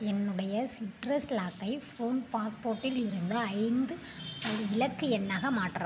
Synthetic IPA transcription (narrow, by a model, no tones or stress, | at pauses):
ɛnːɯɽɐjɐsɪʈɾɐslaːkːɐɪfoːnpaːspoːɾʈːɪlɪɾɯnd̪ɐɐɪnd̪ɯ | ɐɪlɐkːɯɛnːaːɣɐmaːʈːɯɾã̰ː